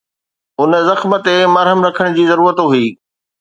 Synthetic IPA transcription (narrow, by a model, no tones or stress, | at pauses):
ʊn̆zɐxmə̆t̪emɐɾɦəmɾɐkʰəɽ̃d͡ʑiːzɐɾuːɾət̪ɦuiː